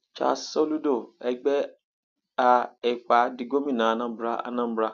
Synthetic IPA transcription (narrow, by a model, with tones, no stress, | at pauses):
t͡ʃa̰˨sɔ˦lu˦do˦˨ɛ˧ɡ͡bɛ˦ | a˧ɛ˨k͡pa˨˦di˧ɡo˦mĩ˦˨nã˨nã˦bɾa˦a̰˧nã˦bɾa˦